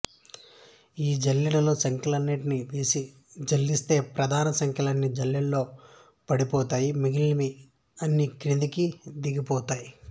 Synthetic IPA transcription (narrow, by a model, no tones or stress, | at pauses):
iːd͡ʒɐlːiɽɐlo̞ːsɐŋkʰɐlɐnːeʈniʋeːsi | d͡ʒɐlːist̪e̞ːpɾɐd̪ʱaːnɐsɐŋkʰjɐlɐnːid͡ʒɐljɐlːo̞ː | pɐɽipɔːt̪aːjimiɡilːmi | ɐnːikɾind̪ikid̪iɡipɔːt̪aːji